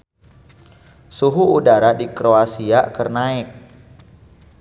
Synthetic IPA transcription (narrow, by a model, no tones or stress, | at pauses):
suɦuːdaɾadikɾoasiakərnaɪk̚